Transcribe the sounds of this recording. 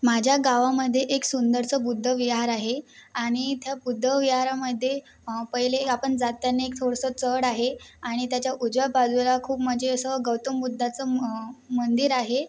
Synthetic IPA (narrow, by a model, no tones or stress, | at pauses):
mad͡ʑʱjaɡaʋaməd̪ʱːjeʔeksund̪əɾt͡səbud̪ʱːəʋiɦaɾaɦeaɽ̃it̪jabud̪ʱːəʋiɦaɾaməd̪ʱːje | pəjleapəɳd͡zat̪janːeek̚t̪ʰoɽsət͡səɽaɦeaɽ̃it̪jat͡ɕjaʔud͡ʑʋəpad͡zulakʰuːpməd͡ʑʱeəsəɡəwt̪əmbud̪ʱːat͡səmənd̪iɾaɦe